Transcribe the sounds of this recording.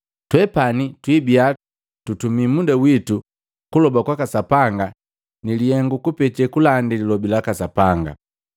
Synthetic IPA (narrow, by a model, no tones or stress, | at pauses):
twɛpanitwibia | tutumimundawitu | kulɔbakwakasapaŋɡa | nilihɛŋɡukupɛt͡ʃɛkulandililɔbilakasapaŋɡa̰